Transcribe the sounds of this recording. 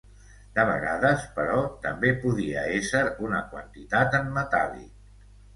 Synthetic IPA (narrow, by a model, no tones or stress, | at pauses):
d̪əβ̞ə̰ɣa̰ðəspəɾɔt̪əmbepuðiə̰esəɾunəkwənt̪it̪at̪əmːət̪a̰lḭ